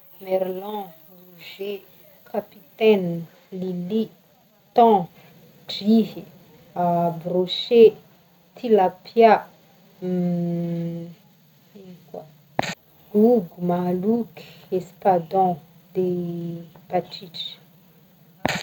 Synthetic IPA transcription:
mɛɾlɔ̃ | ruʒe | kʰapit̪ɛn | lili | t̪ɔ̃ | d͡ʒiɦi | abɾoʃe | t̪ʰilapʰja | ikwa | ɡuɡumaluki̥espad̪ɔ̃ | d̪e | b̥at͡ʃit͡ʃ

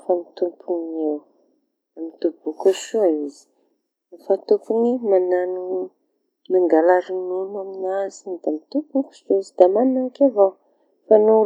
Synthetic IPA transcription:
famit̪umpʰunew | amit̪ubukuʃuaizi̥ | fat̪upunimananu | maŋɡalaɾinunaminazind̪amit̪ubuku̥ʃuizid̪amanaakava | fanu

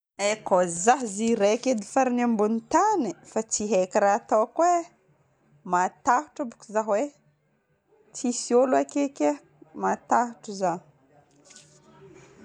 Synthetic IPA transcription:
ekozaɦziɾeaked̪ifaɾinambunit̪anifat͡siɦekiɾaːt̪awkwe | mat̪aɦuʈ͡ʂabukuzaɦwe | t͡sisioluakekʲa | mat̪aɦuʈ͡ʂuza

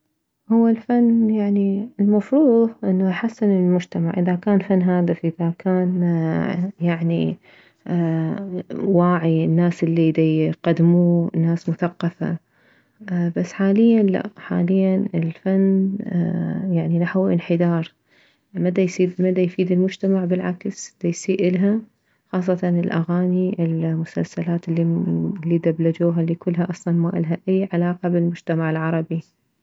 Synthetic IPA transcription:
hʊwːalfanːjaʕniɪlmafɾuːhʔɪnːaʔaħasːɪnɪlmʊd͡ʒt̪ama̰ʕʔɪðakaːnfanːɦaːd̪ɪfʔɪðakʰaːn | jaʕnḭ | waːʕinːaːsɪlːid̪iqad̪muːnːaːsmʊθaqːɑfa̰ | basːħaːlɪjːanla̰ħa̰ːlɪjːanɪlfanː | jaʕninaħwʔɪ̰nħɪd̪ɑːɾˤ | mad̪ajsiːd̪mad̪ajfiːd̪ɪlmʊd͡ʒt̪amaʕbɪlʕaksd̪̥ajsiːʔɪlɦa | xɑːsˤːɑt̪ɑnɪlʔa̰ɣaːniʔɪlmʊsa̰lsalaːt̪ɪlːilːiːd̪ablad͡ʒuːɦalːikʊlːɦaʔɑsˤlɑnmaːʔɪlɦaʔajːʕalɑːqɑbɪlmʊd͡ʒt̪amaʕɪlʕɑɾˤɑbi

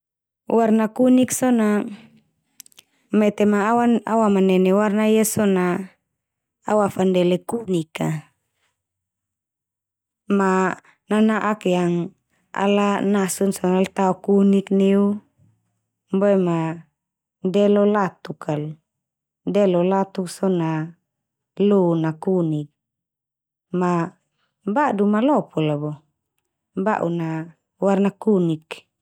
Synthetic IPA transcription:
warnakuniksɔna | mɛt̪ɛmaːwaa̰wamanɛnɛwarnaiasɔna | awafandɛlɛkunika | ma | nanaʔakjaŋ | a̰lanasunsɔnalt̪aɔkunikneu | boɛma | dɛlɔlat̪ukʰalu | dɛlɔlat̪uksɔna | lunakunik̚ | ma | badumalɔpʰɔlabɔ | ba̰ʔṵna | warnakunik

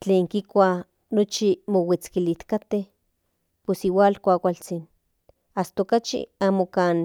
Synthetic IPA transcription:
t͡ɬeːŋkikʷa | not͡ʃimowit͡skilit̪kat̪eh | posiwaːlkʷaːkʷalt͡sin | ast̪okat͡ʃḭaːmokaːn

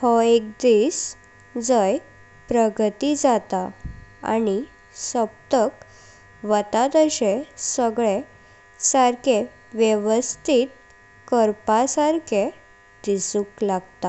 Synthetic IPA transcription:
hɔek̚d̪iːs | d͡zəj | pɾəɡt̪id͡zat̪aa̰ni | səb̚t̪ək | ʋət̪at̪əɕesəɡɭe | saɾkʰe | ʋjeʋəst̪ʰit̪̚ | kəɾpasaɾkʰe | d̪isũklaɡt̪a

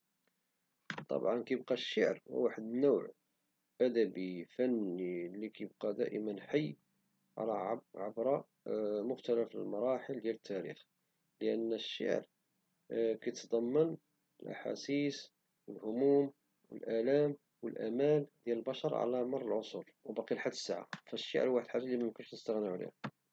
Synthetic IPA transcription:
t̪ˤɑ̰bʕɑnkijəb̚qɑʃːəʕɾw̰waħəd̪nuwʕ | ʔæd̪æbifænilːikijəb̚qɑd̪æ̰ʔəmənħajː | ʕ̰lʕabɾˤɑ | mʊxt̪ælæflə̰lmɑɾˤɑħəld̪jælət̪ʰːæɾḭx | ləʔənːʃːə̰ʕ̰ɾ | kæjt̪d̪ˤɑmːən | əlʔa̰ħa̰sis | wəlhʊmum | wə̰lʔælæm | wəlʔæ̰mæld̪jæləlbɑʃɑɾˤʕa̰læmɑɾˤəlʕosˤolwbɑqilħad̪ːə̥sːaʕa̰fæʃːə̰ʕɾwaħəd̪ħaʒalːimæjmkʊnʃnəst̪əɣnəʕulḭhæ

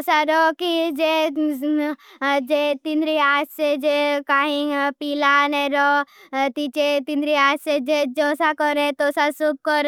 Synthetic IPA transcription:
saɾɔkid͡ʒe | d͡ʒet̪ind̪ɾiaːssed͡ʒekaːɦĩpiːlaneɾɔt̪it͡ʃet̪ĩnd̪ɾiaːd͡ʒsed͡ʒed͡ʒɔːsakɔɾet̪osasub̚kɔɾ

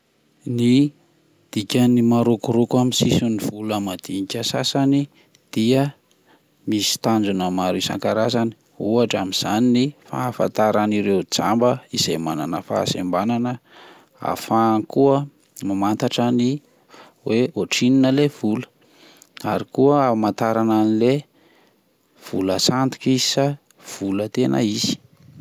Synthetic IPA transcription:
ni | d̪̥ikʲənimaɾukuɾukaminsisuniv̥uləmad̪̥iɲikʲəsasani | d̪̥iə | misi̥t̪and͡zunəmaɾisa̰ŋkaɾazani̥ | uaʈ͡ʂamiz̥aninifa̰fa̰nt̪aɾaniɾewd͡za̰mbəizemananəfa̰ːsḛmbananə | a̰faŋkuə | mamant̪aʈ͡ʂani | weoʈ͡ʂininəlev̥ulə̥ | aɾikuəamant̪aɾananile | v̥uləsant̪i̥kizi̥sa | v̥ulət̪enə̰izi̥

